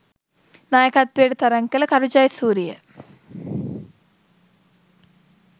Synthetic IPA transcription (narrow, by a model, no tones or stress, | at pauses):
naːjɐkɐt̪̚ʋeːɽit̪ɐɾɐŋkɐlɐkɐɾud͡ʒaːjsuːɾijɐ̰